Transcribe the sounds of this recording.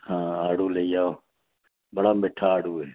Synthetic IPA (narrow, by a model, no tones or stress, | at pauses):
hãːaːɽuːləijaːoː | bəɽaːmeːʈʰaːaːɽuːeː